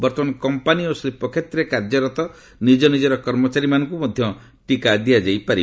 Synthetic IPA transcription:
bɔɾt̪ʰɔmanɔkɔmpaniosɾipɔkʰet̪ɾekaɾd͡ʒɔɾɔt̪ɔ | nid͡ʒɔnid͡ʒɔɾɔkɔɾmɔt͡ʃaɾimanɔŋkumɔd̪ʱjɔ | ʈikad̪ijad͡ʒajpaɾi

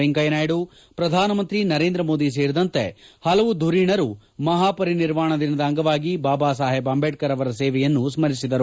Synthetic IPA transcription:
iŋkɐjɐnaːjɽu | pɾɐd̪ʱaːnɐmɐnt̪ɾinɐɾeːnd̪ɾɐmo̞ːd̪is̬eːɾid̪ɐnt̪ehɐlɐʋud̪ʱuɾiːɳɐɾu | mɐɦaːpɐɾiniɾʋaːɳɐd̪inɐd̪ɐɐŋɡɐʋaːɡibaːbaːsaːɦebɐmbeʈ̚kɐɾɐʋɐɾɐseːʋɛjɐnːusmɐɾisid̪ɐɾu

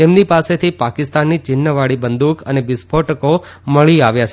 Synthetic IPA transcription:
t̪emnipaset̪ʰipakɪst̪anːit͡ʃɪnːəʋaɭibənd̪ukənebɪspʰoʈəko | məɭiaʋjat͡ʃʰ

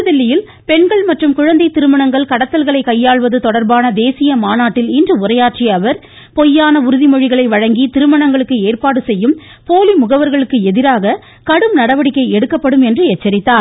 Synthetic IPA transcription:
ɯðɛlːɪjɪl | pɛɳɡɐɭmɐʈrɯmkʊɻɐnd̪ɐɪt̪ɪɾɯmɐɳɐŋɡɐɭkɐɽɐt̪ːɐlɣɐɭɐɪkːɐjːaːɭʋɐðɯt̪ɔɽɐɾbaːnɐd̪eːsɪjɐmaːnaːʈːɪlɪndrɯʊrɐjaːʈt͡ʃiɐʋɐɾ | pɔjːaːnɐʊɾɯðimɔɻɪɣɐɭɐɪʋɐɻɐŋɡit̪ɪɾɯmɐɳɐŋɡɐɭɯkːɯeːrpaːɽɯsɛjːɯm | poːlimʊɣɐʋɐɾɣɐɭɯkːɯɛðɪɾaːɣɐ | kɐɽɯmnɐɽɐʋɐɽɪkːɐɪɛɽɯkːɐpːɐɽɯmɛndrɯɛt͡ʃːɐɾɪt̪ːaːɾ

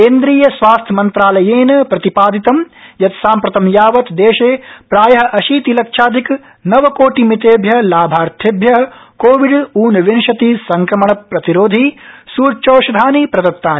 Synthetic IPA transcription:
keːnd̪ɾiːjɐsʋaːst̪ʰjɐmɐnt̪ɾaːlɐjeːnɐpɾɐt̪ipaːd̪it̪ɐmjɐt̪saːmpɾɐt̪ɐmjaːʋɐt̪d̪eːʃeːpɾaːjɐɦɐʔɐʃiːt̪ilɐkʂaːd̪ʱik | nɐʋɐkoːʈimit̪eːbʱjɐlaːbʱaːɾt̪ʰebʱjɐɦɐkoːʋiɖuːnɐʋenʃɐt̪isɐŋkɾɐmɐɳɐpɾɐt̪iɾoːd̪ʱisuːɾt͡ʃoːʃɐd̪ʱaːnipɾɐd̪ɐt̪ːaːni

